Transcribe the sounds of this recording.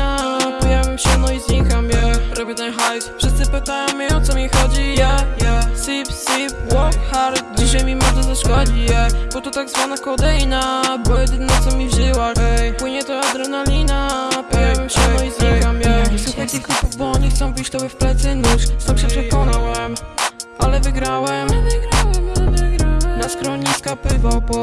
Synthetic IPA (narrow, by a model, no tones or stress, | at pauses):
apɔjavʲɛmɕɛnɔizɲikamjɛɾɔbʲjɛt̪ɛnxajt̪fʂɘst̪sɨpɘt̪ajɔ̃m̃mɛɔt̪sɔmʲixɔd͡ʑijɛjɛsipsipwɔkxaɾt̪d͡ʑiɕajmʲimɔd̪ɛzaʂkɔd͡ʑijɛbɔt̪ɔt̪aɡzvanakɔd̪ɛjnabɔjɛd̪ɘnɔt̪sɔmʲivʐɘwapwɘɲɛt̪ɔad̪ɾɛnalʲinapɔjɛwɛmɕɛmɔjizɲikamʲjɛsuxajt̪ɨxklupuvbɔɔɲixt̪sɔ̃w̃pʲit͡ɕt̪ɔbʲjɛfplɛt̪sɛnusst̪amɕɛpʂɛkɔnawɛmalɛvɨɡɾawɛmvɡɾawvɡɾanaskɾɔɲiskapɪvɔ